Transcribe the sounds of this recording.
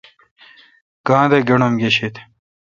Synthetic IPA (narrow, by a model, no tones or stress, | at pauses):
ɡ̥ãːd̪eɡeɳomɡeɕet̪